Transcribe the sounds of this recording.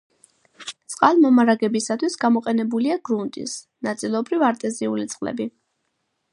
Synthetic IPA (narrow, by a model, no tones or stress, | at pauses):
t̪sʼqʼalˠmɔmaɾaɡɛbisat̪ʰwisɡamɔqʼɛnɛbuliaɡɾunt̪ʼḭs | nat̪sʼilˠɔbɾivaɾt̪ʼɛziulit̪sʼqʼlɛ̰bi